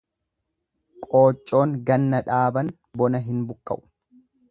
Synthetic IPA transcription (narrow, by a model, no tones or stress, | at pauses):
kʼo̞ːt͡ʃʼːo̞ːŋɡɐnːɐᶑaːbɐn | bɔnɐɦɪnbʊkʼːɐ̰ʔʊ̥